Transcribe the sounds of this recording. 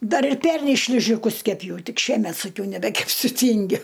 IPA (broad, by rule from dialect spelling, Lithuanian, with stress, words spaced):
ˈdɐr ɪr ˈpʲɛrʲnʲɛɪ ˈʃʲlʲɪʒʲɪˈkʊs kʲɛˈpʲjɛʊ ˈtʲɪk ˈʃʲiɛmʲɛt sɐˈkʲɛʊ nʲɛbʲɛkʲɛpʲˈsʲʊ ˈtʲɪŋʲɡʲʊ